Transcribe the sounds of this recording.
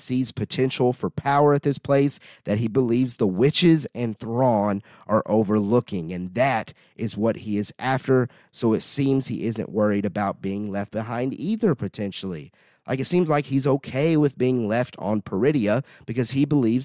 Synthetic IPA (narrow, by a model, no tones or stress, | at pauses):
siz̥pʰɨtʰɛ̃nʃl̩ˠfə˞pʰaʊə˞ɨt̪̚ðɪspʰl̥eɪsðɨt̚ɦibəlivzðəwɪt͡ʃɪzɨ̃nθɹɔ̃n | ʔə˞ʔoʊvə˞lʊkɪ̃ŋɨ̃nðɨɾ | ʔɪzwʌt̚hiɪzʔæftə˞ | soʊɨtsĩmz̥ḭʔɪzɨ̰̃nʔwɜ˞iɾɨbaʊt̚b̥iɪ̃ŋlɛft̚b̥ɨɦãɪ̃ndiðə˞pʰɨtʰɛ̃nʃl̩ˠḭ | lʔa̰ɪkɨtsĩmzlaɪkhizoʊkʰeɪwɨðbiɪ̃ŋlɛftn̩pʰə˞ɪɾiɨb̥ɨkʌz̥ibəlivz